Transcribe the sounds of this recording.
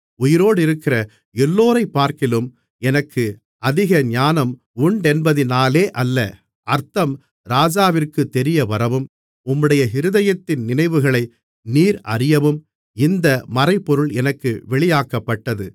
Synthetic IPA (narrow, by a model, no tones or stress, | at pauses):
ʊjɪɾoːɽɪɾɯkːɪrɐ | ɛlːoːɾɐɪpːaːɾkɪlɯm | ɛnɐkʰːɯ | ʔɐðɪɣɐɲaːnɐm | uɳɖɛnbɐðɪnaːleːʔɐlːɐ | ɐɾt̪ɐm | ɾaːd͡ʒaːʋɪrkɯt̪ːɛɾɪjɐʋɐɾɐʋɯm | ʊmːɯɽɐjɐɦɪɾɯðɐjɐt̪ːɪnnɪnɐɪʋɯɣɐɭɐɪ | niːɾɐrɪjɐʋɯm | ɪnd̪ɐmɐrɐɪpːɔɾɯɭɛnɐkːɯʋɛɭɪjaːkɐpːɐʈːɐðɯ